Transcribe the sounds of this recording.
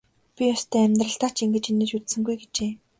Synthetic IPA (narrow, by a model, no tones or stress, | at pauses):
pʲijɔst̪ʰœːæmʲt̪rə̆ɬt̪aːt͡ɕiŋɡɘ̆t͡ɕinĕt͡ɕut̪sɘ̆ŋɡujɡet͡ɕeː